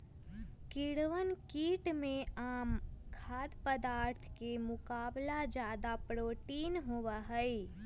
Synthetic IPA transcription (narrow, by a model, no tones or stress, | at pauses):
kɪɽʋənkiːʈmẽaːmkʰaːd̪pəd̪aːɾt̪ʰkemʊkaːblad͡ʒjaːd̪apɾoːʈiːnɦʊwaɦɛi